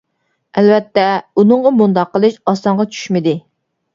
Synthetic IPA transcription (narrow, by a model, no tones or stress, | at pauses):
ɛlvɛt̪ːɛunɨɴʁɑmund̪ɑqːəlˠɨʃɑst̪ɑɴʁɑt͡ʃʰy̥ʃmɪd̪ɪ